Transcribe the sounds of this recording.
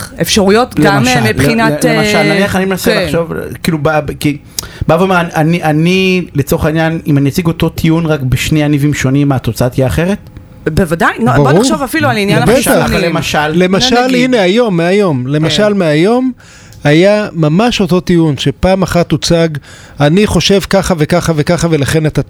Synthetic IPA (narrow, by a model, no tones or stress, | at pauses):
efʃaʁujot̪ɡeamamiinaemaʃalnaniaχanimenaseaχʃovkiːlubabki | bavomaaniʔanilet͡soχainjanimaniat͡siɡo̞to̞t̪ʰiunʁakbeʃneanivimʃo̞nimːat̪o̞t͡saat̪hiaːχe̞ʁet | bevad̪ajnobaboʁuʃovafiluaninjabetaaallːemaʃalle̞maʃaline̞ajo̞mːeajo̞mle̞maʃalmeajo̞m | ajamamaʃo̞to̞tijunʃepaːmaχat̪ut͡saɡ | aniχo̞ʃe̞vkaχave̞kaχavekaχave̞laχe̞nat̪a